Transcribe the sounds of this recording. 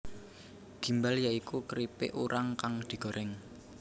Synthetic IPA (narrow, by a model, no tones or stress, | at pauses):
ɡ̥i̤mbaljaikukəɾipɪ̰ʔuɾaŋkaŋd̪̥i̤ɡ̥ɔ̤ɾʔɛŋ